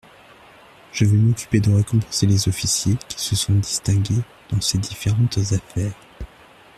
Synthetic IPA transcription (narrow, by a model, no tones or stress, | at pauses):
ʒ̥əvømɔkʲy̥ped̪əʁekɔ̃pɑ̃selezɔfisjekʲʰi̥səsɔ̃d̪ist̪ɛ̃ɡʲe | d̪̥ɑ̃sed̪ifeʁɑ̃t̪zafɛːʁ